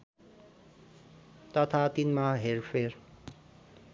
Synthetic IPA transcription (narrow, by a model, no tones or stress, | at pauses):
t̪ʌt̪ʰat̪inmaɦerpʰer